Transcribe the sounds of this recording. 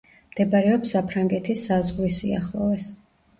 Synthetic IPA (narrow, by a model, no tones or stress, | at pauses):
md̪̥ɛbaɾɛɔpsapʰɾaŋɡɛt̪ʰisːazʁlisiaχlˠɔvɛs